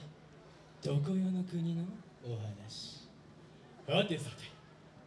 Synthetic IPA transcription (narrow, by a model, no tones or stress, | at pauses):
d̪̥okojonokɯ̟ɲ̟inoː | ɦanaɕi̥ | bat̪ːesat̪e̥